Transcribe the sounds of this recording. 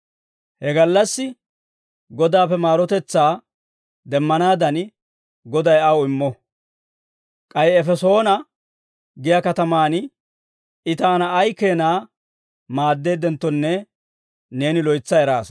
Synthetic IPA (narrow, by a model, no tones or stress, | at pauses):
hɛɡɐlːɐsːɪ | ɡɔd̪aːpːɛmaːɾɔt̪ɛt͡sːaː | d̪ɛmːɐnaːd̪ɐn | ɡɔd̪ɐjɐwʊɪmːɔ | kʼɐjɛɛfɛso̞ːnɐ | ɡɪjɐkɐt̪ɐmaːn | ɪt̪aːnɐːjke̞ːnaː | maːd̪ːe̞ːd̪ɛnt̪ːɔnːɛ | ne̞ːnɪlɔjt͡sːɐɛɾaːs